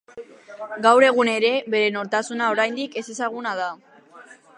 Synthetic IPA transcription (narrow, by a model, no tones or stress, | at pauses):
ɡawɾe̞ɣ̞une̞ɾe̞βe̞ɾe̞no̞ɾt̪asunao̞ɾajnd̪ike̞se̞saɣ̞unað̞a